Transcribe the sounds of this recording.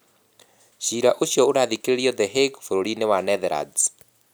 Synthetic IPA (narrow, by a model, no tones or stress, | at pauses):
ɕiɾaʔoɕjɔoɾaðikeɾeɾiɔðəɦeɡfoɾoɾinewanɛðɛɾa̰d